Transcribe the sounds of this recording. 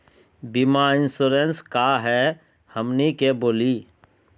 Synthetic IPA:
bimaɪ̃nsuɾenskaɦɛ | həmnikeboːliː

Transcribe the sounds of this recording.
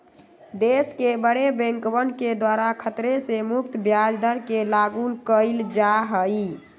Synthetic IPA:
d̪eskebəɽebẽŋkbənked̪waɾakʰət̪ɾesemuk̚t̪əbjad͡ʒd̪ʱəɾkelaɡulkəɪld͡ʒaɦəj

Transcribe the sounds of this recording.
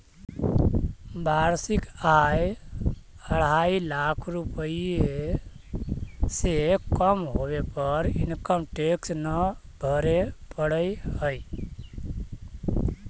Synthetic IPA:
baɾsikaj | əɽ̤ailakʰɾupəie | sekəmɦoβepəɾḭnkəmʈeksnəbʱəɾepəɽəjhəj

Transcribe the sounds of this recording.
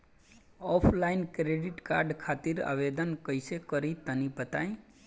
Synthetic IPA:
ɔpʰlaɪnkɾeɖɪʈkaːɾɖkʰaːt̪iɾa̰ʋed̪ənkəɪsekəɾit̪ənipət̪a̰ĩ

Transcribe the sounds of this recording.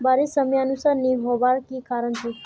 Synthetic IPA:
baɾisəmjaənusaɾniɦɔʋaɾkikaɾəɳt͡ʃʰe

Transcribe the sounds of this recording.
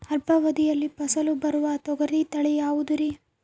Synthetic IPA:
ɐɾpɐʋɐd̪ijɐlːipɐsɐlubɐɾuʋɐt̪ɔɡɐɾit̪ɐɭɛjaːʋud̪uɾi

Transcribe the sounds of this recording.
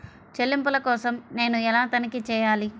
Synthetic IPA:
t͡ʃelːimpulɐkɔːsɐmne̞ːnuɛlaːt̪ɐnɐkit͡ʃɛːjaːli

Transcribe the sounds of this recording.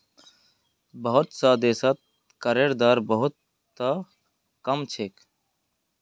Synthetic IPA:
bəɦʊt̪saːd̪eːsat̪̚ | kəɾeːɾd̪aːɾbəɦʊt̪ː | a | kəmt͡ʃʰeːk

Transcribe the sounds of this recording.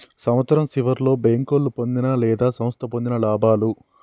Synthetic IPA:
sɐmʋɐt̪sɐɾɐmsiʋɐɾlo̞ːbeːŋkoːlːupo̞nd̪inɐlɛːd̪aːsɐmɐst̪ʰɐpo̞nd̪inɐlaːbʱaːlu

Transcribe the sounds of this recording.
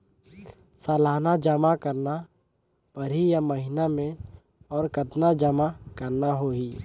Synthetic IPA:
saːlaːnad͡ʒəmakəɾna | pəɾijaməɦɪnamẽ | ɔːɾkət̪nad͡ʒəmakəɾnaɦoːiː

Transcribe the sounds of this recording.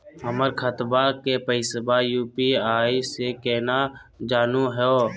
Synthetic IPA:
ɦəməɾkʰət̪bakepəɪsbajuːpiaːisekɛːnad͡ʒaːnuɦɛo

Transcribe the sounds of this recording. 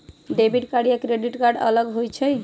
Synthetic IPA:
ɖebʱiɖkaɽijakɾeɖiʈkaɾɖə̰ləɡɦojt͡ʃʰəj

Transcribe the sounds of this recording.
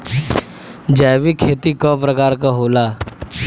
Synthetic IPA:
d͡ʑaʋiːkʰet̪iːkəpɾəkaɾkaɦola

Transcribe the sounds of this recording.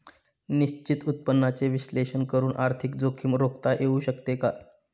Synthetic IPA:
niɕt͡ɕit̪ut̪̚pənːat͡seʋiɕleɕənkəɾuːnʔaɾt̪ʰik̚d͡zokʰiːmɾokt̪aʔeuɕəkt̪eka

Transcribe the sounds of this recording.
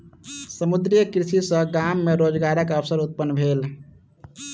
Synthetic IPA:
səmud̪ɾijəkɾisisə̃ɡamːeɾod͡ʒɡaɾəkəʋsəɾut̪̚pənːbʱeːl

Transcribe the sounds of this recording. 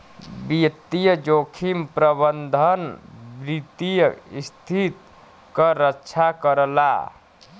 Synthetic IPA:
bit̪ijəd͡ʒokʰimpɾəbənd̪ʱənbɾit̪ijəist̪ʰit̪ | kəɾətːʃʰakəɾəla̰

